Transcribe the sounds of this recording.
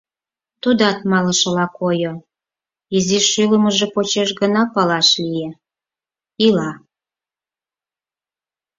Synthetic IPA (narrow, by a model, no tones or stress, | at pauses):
t̪ud̪ɑt̪mɑlə̆ʃɤ̆lɑkojo | iziʃyləməʒepot͡ɕeʃɡənɑpɑlɑʃlije | ilɑ